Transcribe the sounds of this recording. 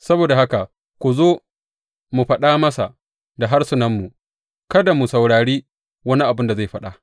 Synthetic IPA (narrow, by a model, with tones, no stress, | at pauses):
sɐ˦boː˨da˨ha˦ka˨ | kʷu˨zoː˦ | mu˨ɸɐ˦ɗaː˦mɐ˦sa̰˨ | da˨ɦa˦rsʊ˨nɐ˦mːu˨ | kɐ˦da˨mu˨sa˨wɽaː˨ɽiː˦ | wɐ˦ni˦ʔa˨bɪ˦nda˨za˦˨jɸɐ˦ɗa˨